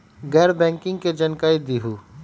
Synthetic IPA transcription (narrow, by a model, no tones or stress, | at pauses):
ɡɛːɾbɛ̃ːŋkɪ̃ŋɡked͡ʒɐnkaːid̪iːɦuː